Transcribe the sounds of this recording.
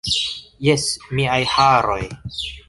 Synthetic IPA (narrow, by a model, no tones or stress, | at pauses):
jesmiajhaɾo̞j